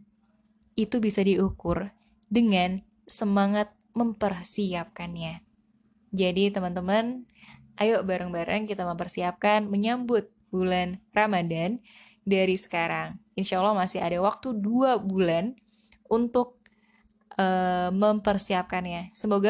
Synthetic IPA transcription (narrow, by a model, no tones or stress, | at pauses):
it̪ubisadiukʊr | dəŋan | səmaŋat̪̚ | məmpərsiap̚kanɲa | d͡ʒadit̪əmənt̪əmən | ʔajoʔbaɾəŋbaɾə̰ŋkit̪aməmpərsiap̚kanməɲambʊt̪̚bulanramadan | daɾisə̥kaɾaŋinʃalːɔhmasɪɦadawak̚t̪uduabulan | unt̪ʊk̚ | ʔəməmpərsiap̚kanjasəmoɡa